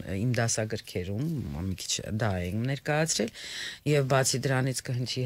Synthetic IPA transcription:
imd̪ɑsɑɡəɾkʰɛɾummikʰi̥t͡ʃʰd̪ɑɛnɛɾkɑjɑt͡sʰɾɛljɛvbɑt͡sʰid̪əɾɑnit͡sʰkəɦənt̪ʰi

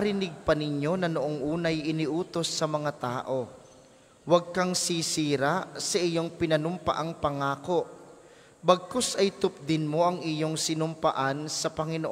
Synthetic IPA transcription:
ɐɾɪnɪɡ̚pɐnɪɲjo̞nɐnoʔoŋʔuːnɐjʔɪnɪʔuːt̪o̞sːɐmɐŋat̪aːʔo̞ | wɐɡ̚kaŋsisiːɾasɐʔɪjo̞ŋpɪnɐnʊmpɐ̰ʔaŋpɐŋaːko̞ʔ | bɐɡ̚kosɐjt̪ʊp̚d̪ɪnmo̞ʔɐŋʔijoŋsɪnʊmpɐʔansɐpɐŋɪnoʔ

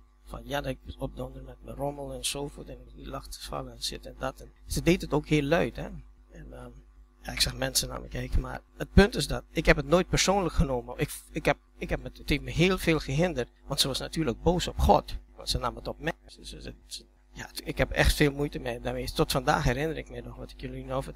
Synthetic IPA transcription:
fɔnjadɔtɪk̚ɔp̚dɔndərmɛt̚mərɔməlˠɛnsoːfotɛnɪk̚nitlaxtə̥fa̰ləɛnsɪtɛndɔtɛnsədeːtətoːkɦhɪːlːœɥthɛ̰ | ɛnəjaɪksaxmɛnsəna̰mə̰kʰɛkəma̰rət̚pøntɪsdɔt̚ɪkhɛpətnoːjt̚pərsoːnləkχənoːməɪkɪkhɛp̚ | ɪkhɛpməətheftməɦeːlˠfeːlˠxəɦɪndərtʋɔntsəʋɔsnatyːrlək̚boːsɔpxɔ̰tʋɔ̰ntsənamətɔp̚mɛsəə | jaɪkhɛpɛ̰xtfeːlˠmujtəmɛjdaːmetɔtfanda̰ːxhɛɾɪnəɾɪkmɛjdɔxʋɔtɪ̥kjəlinofə

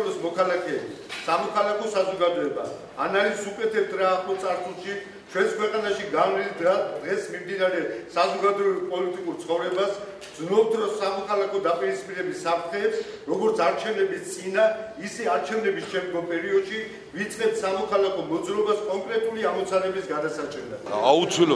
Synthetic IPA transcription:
bɔsmɔkʰalakʰɛːbi | samɔkʰalakʰɔsazɔɡad̪ɔɛba̰ː | nalizukʼɛt̪ʰɛp̚t̪ʰɾaːχlɔt̪sʼaɾt̪sʰulˠʃi | t͡ʃʰwɛnskʰwɛqʼanaʃiɡalid̪ɡad̪ʁɛsmimd̪inaɾɛsazɔɡad̪ɔɛbipʼɔlit̪ʼikʼuɾt̪sʰχɔvɾɛbas | d̪znɔpt̪ʰɾɔsamɔkʰalakʰɔd̪apʼiɾispʼiɾɛbisːap̚ʰt̪ʰχɛːps | ɾɔɡɔɾt̪sʰaɾt͡ʃʰɛvnɛbist̪sʼinaisɛaɾt͡ʃʰɛvnɛbisʃɛmd̪ɡɔmpʼɛɾiɔd̪ʃi | vit̪sʼqʼɛp̚t̪ʰsamɔkʰalakʰɔmɔd̪zɾɔbaskʼɔŋkʼɾɛt̪ʼuliamɔt̪sʰanɛbisɡad̪asat͡ʃʼɛlad̪aut̪sʰil

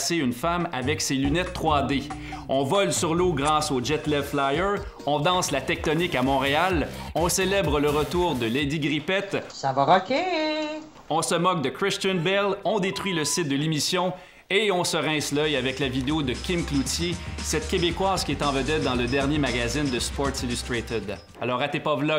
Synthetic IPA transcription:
seynfamavɛkselynɛt̪ːχwad̪e | ɔ̃vɔlsyʁloɡʁaːsod͡ʒɛt̪lɛflajə˞ | ɔ̃d̪ɑ̃slat̪ɛk̚t̪ɔnɪkamɔ̃ʁealɔ̃selɛbʁələʁət̪uːʁd̪əled̪iɡʁipɛt̪savaʁɔkʲe | ɔ̃səmɔk̚d̪əkʁɪst̪ənbɛlɔ̃d̪et̪ʁɥiləsɪt̪̚d̪əlemisjɔ̃ | eɔ̃səʁɛ̃slœjavɛklavid̪eod̪əkʲɪmklut̪jesɛt̪̚kʲebekwaːz̥kʲiɛt̪ɑ̃vəd̪ɛt̪̚d̪ɑ̃ləd̪ɛʁnjemaɡazɪnd̪əspɔɹt̪silyst̪ʁet̪ɪd̪ | alɔːʁat̪epɔvlɔ

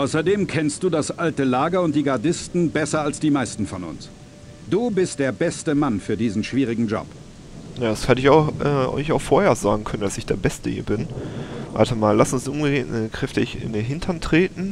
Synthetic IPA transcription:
ʔaʊsɐdeːmkʰɛnst̚d̥uːdasʔaltəlaːɡɐʊnt̚d̥iːɡaɐdɪstn̩bɛsɐalsd̥iːmaɪstn̩fɔnʊ̰ns | d̥uːbɪstd̥eːɐbɛstəmanfyːɐdiːzn̩ʃv̥iːʁ̞ɪɡŋ̩d͡ʒɔ̰p | jaːshɛtəɪçaʊxʔɛːʔɔ̰ɪçaʊxfoːɐheːɐza̰ːɡŋ̩kʰœnəndasɪçd̥eːɐbɛstəhḭːɐbɪnʔa̰ltʰəmaːlːasʊnsʔʊmɡədeːtkʁ̥ɛftɪçɪ̰ndeːnɦɪntʰɐntʁ̥eːtn̩

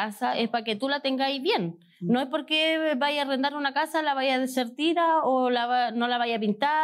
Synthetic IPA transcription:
asaʔe̞spake̞t̪ulat̪eŋɡaiβje̞nː | oespo̞ɾkebajarend̪aɾunakasalaβajaðeseɾt̪iɾaolaβno̞laβajapint̪a

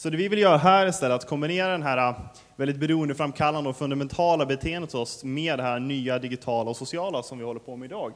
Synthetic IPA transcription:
sɔd̪ɛːvɪvɪljœːɾaɦæːɾɪst̪ɛlːət̪at̪kʰɔmbɪneːɾad̪ɛnɦæːɾa | vɛld̪ɪt̪̚bɛɾuːənd̪əfɾamːkʰalːand̪əɔfɵnd̪amɛnt̪ʰɑːlabɛt̪ʰeːɛnd̪ət̪ʰɔsmeːd̪ːɛɦæːɾnyːad̪ɪɡɪt̪ʰɑːlaɔsʊsɪɑːlasɔmvɪhɔlːəɾpʰɔmɛɪd̪ɑːɡ

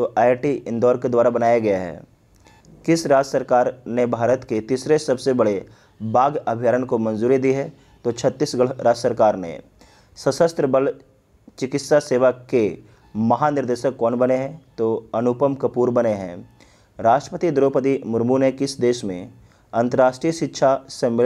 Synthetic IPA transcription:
t̪oʔaːɪʈiɪ̃nd̪ɔːɾked̪waːɾabɐnaːjaɡɐjaɦɛ̰ː | kɪsɾaːd͡ʒəsəɾkaːɾnebʱaːɾət̪ket̪iːsɾesɐbsebɐɽe | baːɡɐbʱijaːɾənkomɐ̃nzuːɾid̪iɦɛː | t̪ot͡ʃʰɐt̪ːisɡəɾaːd͡ʒsəɾkaːɾnḛ | səsəst̪ɾəbəl | t͡ʃɪkɪt̪saseːʋake | mɐɦanɪɾd̪eːʃəkːɔːnbɐneɦɛ̃t̪oɐnʊpəmkɐpuːɾbɐneɦɛ̰̃ː | ɾaːʃʈɾəpət̪id̪ɾoːpət̪imʊɾmunekɪsd̪eːʃmḛ̃ | ɐ̃nt̪əɾaːʃʈɾijəʃɪtːʃʰasemɪ

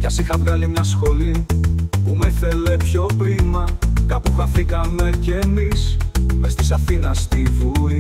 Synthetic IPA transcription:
cɐsixɐvɣɐlimɲɐsxo̞lipumeθele̞pço̞pɾimɐkɐpuxɐθikɐme̞ce̞mismest̪i̥sɐθinɐst̪ivui

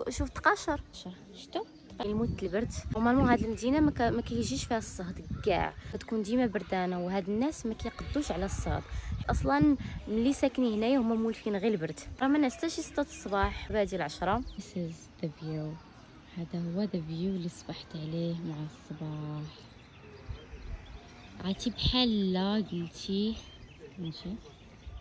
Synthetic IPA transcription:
ʃuft̪qɑʃəɾˤʃɑɾˤ | ʃt̪u | t̪qɑlmut̪ːəlbəɾˤd̪wmælmuhæd̪əlmd̪inammækæjʒiʃfihæsˤːɑhd̪ɡæ̰ʕæt̪kund̪imæbəɾˤd̪ænawɦæd̪ənːæsmækæjqəd̪ːuʃʕlæsˤːɑ̰d̪ˤħʔɑsˤlɑnməlːisæknihnæjhʊmːæmulfinɣilbəɾˤd̪ɾˤɑmænʕəst̪æʃisə̥t̪ˤːæt̪sˤːbɑħbæd̪jælʕɑʃɾˤɑðɪsɪz | ðəbju | hæd̪æhʊwːæd̪əbjulːisˤbɑħt̪ʕlihmaʕasˤːɑbɑħ | ʕat̪ibħalːæɡəlt̪ʰi | mæʃi

